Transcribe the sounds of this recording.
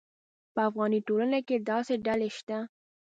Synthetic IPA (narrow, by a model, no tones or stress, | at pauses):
pəafɣɑniʈolənaked̪ɑseɖaleʃt̪a